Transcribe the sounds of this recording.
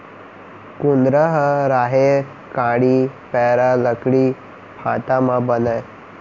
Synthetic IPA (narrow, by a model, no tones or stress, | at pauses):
kund̪ɾəɦəɾaɦe | kãɽiːpɛɾaləkɽiː | pʰat̪amabənəj